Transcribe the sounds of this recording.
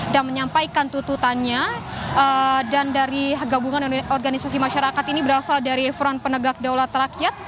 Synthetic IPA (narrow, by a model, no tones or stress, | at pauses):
danməɲampajkant̪ut̪ut̪anɲaədandaɾiɦɡabuŋanɔrɡanisasimaʃaɾakat̪inibəɾasaldaɾiɛfɾɔnpənəɡak̚dawlat̪əɾakiat̪̚